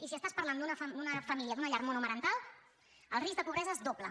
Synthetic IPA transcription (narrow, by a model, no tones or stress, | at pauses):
isiəst̪aspəɾland̪unəfəd̪unəfəmiliəd̪unəʎaɾmonəmənənt̪alˠ | əlˠrizd̪əpuβɾɛzəezd̪oplə